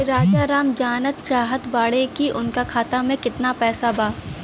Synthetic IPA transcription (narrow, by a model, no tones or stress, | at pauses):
ɾaːd͡ʒaɾaːmd͡ʒaːnət̪t͡ʃaːɦət̪baːɽekiʔʊnkakʰaːt̪amẽkɪt̪napɛːsabaː